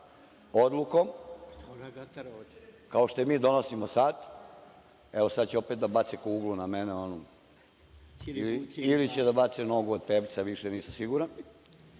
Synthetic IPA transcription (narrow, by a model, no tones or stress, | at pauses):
od̪lˠukom | kaoʃt̪ojemiːd̪o̞nosimosad̪ | eʋosad̪t͡ɕeopet̪d̪abat̪sekouɡlˠunameneono | ililit͡ɕed̪abat̪senoɡuod̪t̪ebt̪seʋiʃeniːsamsiɡuɾan